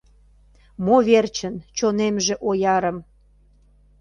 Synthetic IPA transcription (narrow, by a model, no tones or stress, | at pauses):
moβert͡ɕənt͡ɕonemʒĕʔojɑɾə̆m